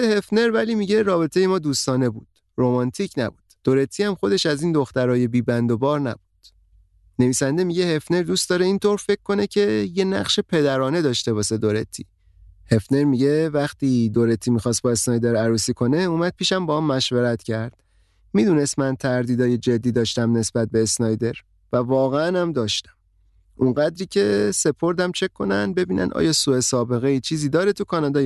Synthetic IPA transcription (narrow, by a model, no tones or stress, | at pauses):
ehe̞fneɾvæliːmiɟe̞ɾɒːbe̞t̪ʰejemɒːd̪uːst̪ɒːne̞bṵːd̪̥ | romɒːnt̪ʰicʰnæ̰buːd̪̥ːo̞ɾe̞t̪ʰiæmxo̞d̪e̞ʃæziːnd̪o̞xt̪æɾɒːje̞biːbænd̪obɒːɾnæ̰bud̪̥ | ne̞viːsænd̪e̞miɟe̞he̞fne̞ɾd̪uːst̪ɒːɾeiːnt̪ʰoɾfe̞ckːo̞ne̞cʰe̞je̞næ̰ʁʃe̞pʰe̞d̪æɾɒːne̞d̪ɒːʃt̪e̞βɒːʃse̞d̪o̞ɾet̪ʰḭː | he̞fne̞ɾmiɟe̞væxt̪ʰiːd̪o̞ɾe̞t̪ʰːiːmixɒːst̪bɒe̞snɒːjd̪e̞ɾæɾuːsiːkʰo̞ne̞uːmæd̪̥̚pʰiːʃæmbɒːæmːæʃveɾæt̪cʰæɾd̪̥ | miːd̪une̞st̪mænt̪ʰæɾd̪iːd̪ɒːje̞d͡ʒe̞d̪ːiːd̪ɒːʃt̪æmne̞sb̥æt̪̚be̞ːsnɒːjd̪e̞ɾ | vævɒːɣeænæmd̪ɒːʃt̪æ̥m | ʔuŋɢæd̪ɾiːcʰe̞se̞pʰo̞ɾd̪æmt͡ʃʰe̞kʰːo̞næ̰n̚be̞biːnʔæ̰nʔɒ̰jɒːsue̞sɒːbe̞ɣeit͡ʃʰiːziːd̪ɒːɾet̪ʰukʰɒnɒːd̪ɒːj